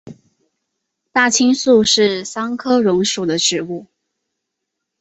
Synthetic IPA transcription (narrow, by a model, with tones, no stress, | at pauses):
t̪a˥˩t͡ɕʰi˥ŋsu˥˧ʂɻ̩˥˩sɑ˥ŋkʰɤ˥ɻʊ˧˥ŋʂu˨˩d̪ə˦ʈ͡ʂɻ̩˨˩u˥˩